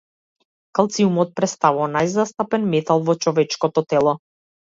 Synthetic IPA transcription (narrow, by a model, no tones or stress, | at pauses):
kalˠt̪siumɔt̪̚pɾɛst̪avuvanajzast̪apɛnmɛt̪alˠvɔt͡ʃɔvɛt͡ʃkɔt̪ɔt̪ɛlˠɔ